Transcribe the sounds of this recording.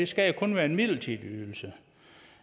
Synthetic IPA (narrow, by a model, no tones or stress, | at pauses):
e̝sɡ̥æjakʰɔ̽nʋæːɐe̝nmið̰ˠl̩t͡sʰe̥øːl̩sə